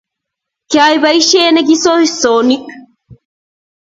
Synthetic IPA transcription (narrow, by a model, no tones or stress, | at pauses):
kaːjbɐjʃeːnɐɡisoːhisoːnik